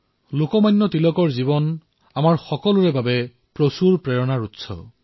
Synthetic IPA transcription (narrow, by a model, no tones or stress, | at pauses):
lokɔmajnːɔtilɔkɔɹzibɔn | amaɹxɔkɔlʊɹɛbabɛ | pɹosuɹpɹɛɹɔnaɹutsɔ̰